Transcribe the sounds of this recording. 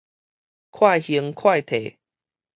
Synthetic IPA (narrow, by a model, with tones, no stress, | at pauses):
kʰwa˥˧jhi˧əŋkʰwa˥˧jt̪ʰḛ˨˩